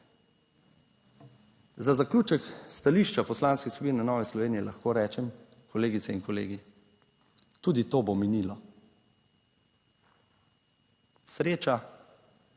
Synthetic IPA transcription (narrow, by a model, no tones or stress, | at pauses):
zazakluːt͡ʃɛkst̪aliːʃt͡ʃapɔslaːnskixsubiːnnanɔːʋɛslɔʋeːnijɛlaxkoːɾɛːt͡ʃɛm | kʰɔleːɡit̪sɛinkɔlḛːɡi | t̪uːd̪it̪oːbominilɔ | sɾeːt͡ʃa